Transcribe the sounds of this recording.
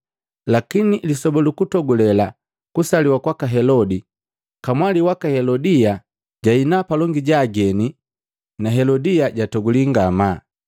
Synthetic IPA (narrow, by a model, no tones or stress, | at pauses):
lakinilisɔbɔlukutɔɡulɛla | kusaliwakwakaɦɛlɔdi | kamwaliwakahɛlɔdia | ɟainapalɔŋɡiɟaːɡɛni | naɦɛlɔdijaɟatɔɡuliŋɡama